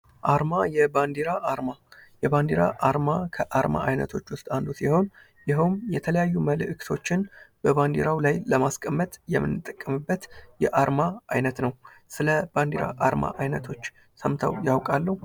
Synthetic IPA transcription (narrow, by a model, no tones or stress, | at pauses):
ʔaɾmajɛband̪iɾaʔaɾmajɛband̪iɾa̰ʔaɾmakʰəʔaɾma̰ʔajnə̰t̪ʰo̞t͡ʃːwʊst̪ʼand̪osiho̞n | jɪɦəwmjɛt̪ʰələjajːuməlɨʔɨkʰt̪ʰo̞t͡ʃːɪnb̥əβand̪iɾawlajləmaskʼəmːət̪ʼjɛmːɨnːɨt̪ʼəkʼːəmɨbːət̪jɛʔaɾmaʔajnət̪nəw | sɨləb̥and̪iɾa̰ʔaɾma̰ʔajnət̪ʰo̞t͡ʃː | səmt̪ʰa̰wjawkʼalːəhu